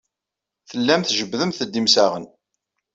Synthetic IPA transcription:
θəlːæmθʒəbðəmθəd̪ːimsæʁən

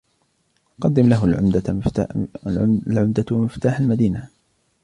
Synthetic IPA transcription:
qɑd̪ːɪmlaɦʊ | lʕʊmd̪amɪft̪aːħalmad̪iːna

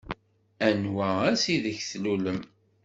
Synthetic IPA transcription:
ænwææsiðəçθluləm

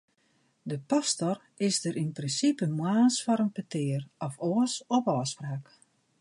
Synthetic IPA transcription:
dəpastɔr | ɪsdəɾʔinprinsipəmwaːnsfɔɾənpətɪːərɔfoəsɔpɔːspraːk

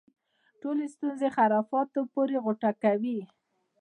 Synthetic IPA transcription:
ʈolest̪unzexaɾɑfɑt̪opoɾeɣʊʈakawi

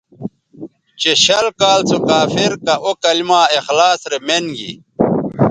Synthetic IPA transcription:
t͡ɕeɕɐlkaːlt͡sʰokaːfiɾkɐʔokɐlimaːexlaːsɾemenɡḭ

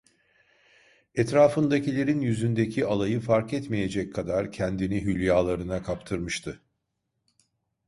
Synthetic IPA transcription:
ɛt̪ɾaːfɯnd̪acilʲe̞ɾinjyzynd̪ecʰialˠajɯfaɾkɛt̪mije̞d͡ʒɛckʰːad̪aɾcʰɛnd̪iniɦylʲjaːlˠaɾɯnakʰapt̪ʰɯɾmɯʃt̪ʰɯ

